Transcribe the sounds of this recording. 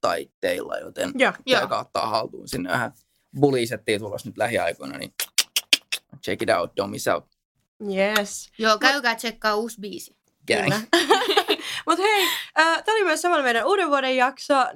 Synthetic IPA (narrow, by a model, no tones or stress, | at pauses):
t̪ɑit̪ːeilːɑ̰jo̰t̪enjjikɑot̪ːɑ̰ːhɑlt̪uːnsinːḛʋæ̰hæ | buliˑset̪ːiːt̪ulːosnyt̪læhiɑikoinɑ̰nḭ | t͡ʃekidæut̪̚domisɑ̰ut̪ | jesjoːkæykæːt̪t͡ʃekːɑːuːsbiːsi | kæ | mut̪heiəːt̪æolimøsɑmɑnmeiɾænuːɾeʋʋuoɾejjɑkso